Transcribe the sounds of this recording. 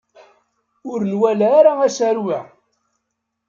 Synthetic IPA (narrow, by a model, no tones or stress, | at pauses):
ʊɾnwælːɾaæʃæɾwæ